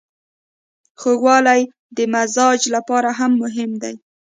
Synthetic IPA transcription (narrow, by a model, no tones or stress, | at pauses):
xoɣwɑlaj | d̪əmazɑd͡ʒlapɑɾaɦamːʊɦɪmd̪a̰j